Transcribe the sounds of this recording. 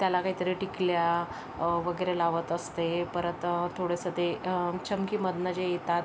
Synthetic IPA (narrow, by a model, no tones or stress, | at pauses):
t̪jalakaɦiːt̪əɾeʈiklja | ʋəɡəjɾelaʋət̪əst̪epəɾət̪t̪ʰːoɽesət̪et͡ɕəmkiːməd̪nəd͡ʑejet̪at̪